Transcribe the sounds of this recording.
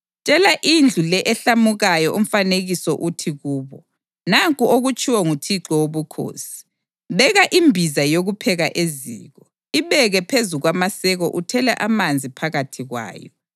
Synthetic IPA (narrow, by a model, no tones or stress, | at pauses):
t͡ʃʼɛlaʔind͡ɮʱulɛʔɛɬamuɣajɔʔum̩faneɣisɔʔutʰiɣuːβɔ | naŋkʼuoɣut͡ʃʼʰiwɔŋutʰiǁɔwoβukʰo̰ːsi̥ | βɛɣaʔimbʱizajoɣupʰɛɣaʔezḭːɣɔ | iβɛɣɛpʰezuɣwamasɛɣɔʔutʰɛlaʔamand͡zʱipʰaɣatʰiɣwa̰ːjɔ̰